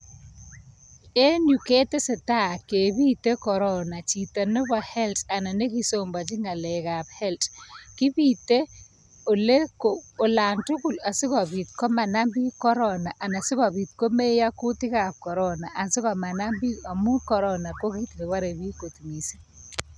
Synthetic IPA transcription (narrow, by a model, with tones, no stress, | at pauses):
e˦nu˨ke˦te˦sɪ˨ta˦˨ke˨bi˦te˦kɔ˨ɾɔ˦na˨t͡ʃi˨ta˨nɔ˦bɔ˨hɛ˦lta˨na˨ne˦ki˦somba˨t͡ʃi˦ŋa˨le˨ka˨phɛ˦ltkɪ˦bi˦˨te˦ | o˨le˦ko˨o˨la˨ntʊ˦kʊ˨la˨sɪ˦kɔ˨βi˨tkɔ˦ma˨na˦mbi˦kɔ˦ɾɔ˦na˨ʔa˨na˨sɪ˦kɔ˨bi˨t̚ko˦me˦ja˦ku˦tɪ˦ka˨p̚kɔ˨ɾɔ˦na˨ʔa˨nsɪ˦kɔ˨ma˨na˦mbi˦a˨mu˦kɔ˨ɾɔ˦na˨ko˦ki˦tke˨wa˦ɾe˨βi˦ko˨tmi˨si̥˦